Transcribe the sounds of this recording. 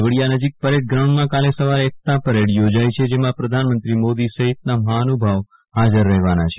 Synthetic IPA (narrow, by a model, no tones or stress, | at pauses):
ʋəɽijanəd͡ʒik̚pəɾeɽɡɾaũɳɖmãkalesəʋaɾeek̚t̪apəɾeɽjod͡ʒajt͡ʃʰed͡ʒemãpɾəd̪ʱanmənt̪ɾimod̪isəɦit̪̚naməɦaənubʱəʋ | ɦad͡ʒəɾːəɦʋanat͡ʃʰe